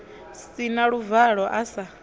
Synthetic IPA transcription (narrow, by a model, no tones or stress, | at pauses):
sinaɺuvaɺɔʔasa